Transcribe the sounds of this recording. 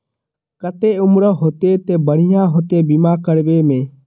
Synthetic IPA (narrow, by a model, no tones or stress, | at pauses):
kət̪eːʊmɾəɦoːt̪eːt̪eːbəɽ̤ɪjãːɦoːt̪eːbiːmãːkəɽʋeːmẽː